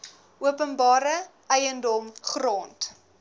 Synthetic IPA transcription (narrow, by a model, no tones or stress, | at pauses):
uəpənbɑːɾəʔɛjəndɔmχroːnt